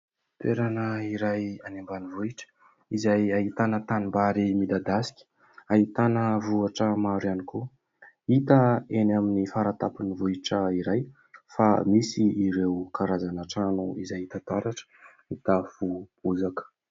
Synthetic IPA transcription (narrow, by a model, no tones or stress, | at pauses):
t̪eɾanəiɾajanembanivuiʈ͡ʂə̥ | izajaɦit̪anət̪animbaɾimid̪ad̪asi̥kʲə̥ | aɦit̪anəvuaʈ͡ʂəmaɾianiku | it̪əenaminifaɾat̪apinivuiʈ͡ʂəiɾaj | famisiːɾewkaɾazanaʈ͡ʂanuizajt̪at̪aɾaʈ͡ʂə̥ | it̪afub̥uzakə̥